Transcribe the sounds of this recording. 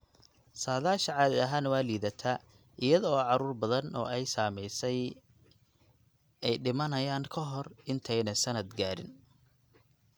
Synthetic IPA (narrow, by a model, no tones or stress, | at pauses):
saːðaːʃɐʕɑːðɪɐɦaːnwaːliːðɐt̪ʰaː | ʔɪjɐðɔɔːʕɑɾuːrbɐðɐnɔ̰ːʔɛjsaːmɛjsɛj | ɛjɖɪmɐnɐjaːŋkʰɐɦɔrɪnt̪ʰɛjnɐsɐnɐd̪ɡaːɾɪ̰n